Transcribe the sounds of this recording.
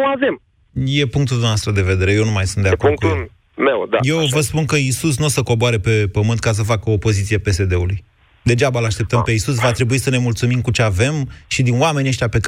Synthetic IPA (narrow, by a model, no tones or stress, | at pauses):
ave̞m | je̞puŋk̚t̪uld̪unaast̪ɾəd̪e̞ve̞d̪e̞ɾe̞je̞numajsunt̪d̪eakordŋkujel | mewd̪a̰je̞wwvəspunkəisus̬nosəko̞boaɾe̞pe̞pəmɨnt̪̚kas̬əfakəoːpo̞zit̪siepe̞se̞d̪e̞uluj | d̪e̞d͡ʒabalaʃt̪e̞p̚t̪əmpe̞isus̬vat̪ɾe̞buisəne̞mult̪sumimkut͡ʃe̞ave̞mʃid̪inwame̞nieʃt̪ʲape̞k